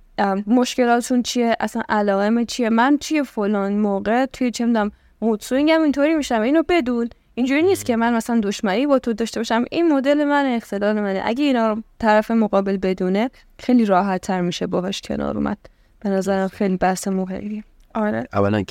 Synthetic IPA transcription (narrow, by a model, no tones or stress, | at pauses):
mo̞ʃce̞lɒːt̪ʃunt͡ʃʰie̞ʔæsænʔælɒːɣemet͡ʃʰije̞mænt̪ʰuje̞folɒːnmoːɣe̞t̪ʰujet͡ʃʰemd̪æm | ɣud̪suiŋɟæmint̪ʰoɾimiʃæmæiːnobe̞d̪uːn | ʔind͡ʒuːɾiːniːst̪̚cʰe̞mænmæslænd̪o̞ʃmænibɒːt̪ʰo̞d̪ɒːʃt̪e̞bɒʃæmʔinmod̪e̞le̞mæneːxt̪ʰe̞lɒːle̞mænḛʔæ̰ɟeinɒːɾt̪ʰæɾæfe̞moɣɒːbe̞lbe̞d̪uːne̞ | xejliːɾɒːɦæt̪ʰːæɾmiːʃebɒːɦɛʃcʰḛnɒ̰ːɾṵːmʔæ̰d̪̥̚ | b̥e̞næzæɾæmxejlibæhsemuxḛjli | ɒɾeʔæ̰vːælæ̰n